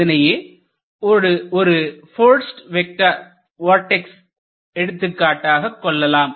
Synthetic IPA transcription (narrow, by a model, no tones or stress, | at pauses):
ɐnɐjeː | ɔɾɯɔɾɯfoːɾsʈʋɛk̚ʈɐ | ʋoːɾʈːɛks | ɛɽɯt̪ːɯkːaːʈːaːɣɐkːɔɭːɐlaːm